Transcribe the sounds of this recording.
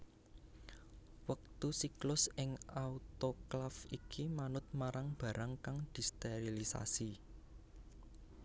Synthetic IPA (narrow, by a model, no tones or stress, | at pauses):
wək̚t̪usiklʊsɪŋaut̪oklafikʰimanʊt̪̚maɾaŋb̥ä̤ɾaŋkaŋd̪̥i̤st̪eɾilisa̰si